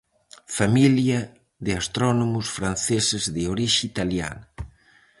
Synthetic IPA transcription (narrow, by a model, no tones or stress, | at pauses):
familjɐ | ðɪast̪ɾɔnomʊsfɾan̟θesɪzðɪoɾiʃit̪alja̰nɐ